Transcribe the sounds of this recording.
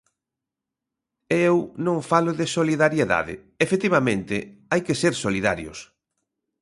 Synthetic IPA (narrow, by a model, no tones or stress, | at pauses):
eewnõŋfalʊðɪsoliðaɾjeða̰ðɪ̰ | efet̪iβamẽnt̪ɪajkeseɾsoliða̰ɾjʊ̰s